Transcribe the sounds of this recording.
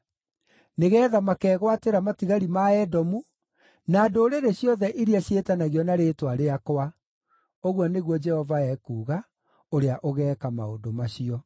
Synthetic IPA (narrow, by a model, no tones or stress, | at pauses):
neɣɛːðamakɛːɣwateɾamatiɣaɾimaɛdɔmu | naːdoːɾeɾeɕjɔðɛʔiɾiaɕjetanaɣjɔnaɾeːtwaɾeakowa | oɣwɔneɣwɔd͡ʒɛhɔvaɛkuːɣa | oɾeaʔoɣɛːkamao̰ndomaɕiɔ